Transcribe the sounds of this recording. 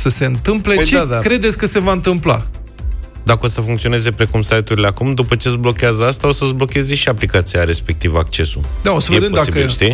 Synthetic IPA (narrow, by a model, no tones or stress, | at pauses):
səse̞ɨnt̪ɨmple̞t͡ʃeakɾe̞d̪e̞t̪sʲkəse̞vaɨnt̪ɨmpla̰ | d̪akəo̞səfuŋkt̪sio̞neze̞pɾe̞kumsajt̪uɾile̞akumd̪upət͡ʃe̞zblo̞kʲeazəast̪ao̞səzblo̞kʲe̞ze̞ʃiaplikat̪sijaɾe̞spe̞k̚t̪ivak̚t͡ʃe̞sud̪ao̞səved̪emd̪aiiʃt̪i